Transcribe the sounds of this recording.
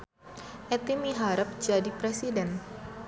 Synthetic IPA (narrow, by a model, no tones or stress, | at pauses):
ʔɛt̪imiɦaɾəp̚d͡ʒadipɾesidɛn